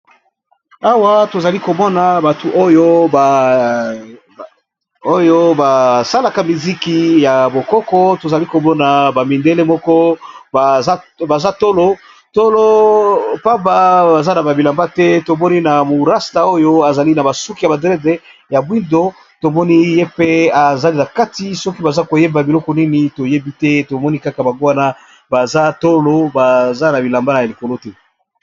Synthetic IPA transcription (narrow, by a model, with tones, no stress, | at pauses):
a˦wa˦to˨za˨li˦ko˨mɔ˦na˨ba˨tu˨ʔo˦jo˦˨ | o˦jo˦ba˨sa˦la˨ka˦mi˨zi˦ki˦ja˨bo˨kɔ˦kɔ˦to˨za˨li˦ko˨mɔ˦na˨ba˨mi˨nde˦le˦mɔ˦kɔ˦ | ba˨za˦to˦lo˦ | to˦lo˦pa˦mba˦ba˨za˦na˨ba˨bi˨la˨mba˦tɛ˦to˨mɔ˦ni˦na˨mo˨ʁa˦sta˨o˦jo˦a˨za˨li˦na˨ba˨su˦ki˦ja˨ba˨dʁɛ˦de˨˦ | ja˨bwi˦ndo˦ | to˨mɔ˦ni˦je˦pe˦a˨za˦li˦na˨ka˦ti˨sɔ˦ki˦ba˨za˦ko˨je˦ba˨bi˨lɔ˦kɔ˨˦ni˦ni˨to˨je˦bi˦tɛ˦to˨mɔ˦ni˦ka˦ka˨ba˨ŋɡo˦wa˦na˦ | ba˨za˦to˦lo˦ba˨za˦na˨bi˨la˨mba˦na˨li˨ko˨lo˦tɛ˦